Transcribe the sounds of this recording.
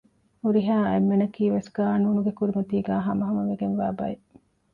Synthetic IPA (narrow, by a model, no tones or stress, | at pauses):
huɾiɦaːḛmːenɐkiːʋesɡaːnuːnuɡekuɾimɐt̪iːɡæːɦɐmɐɦɐmɐʋeɡenʋaːbɐ̰e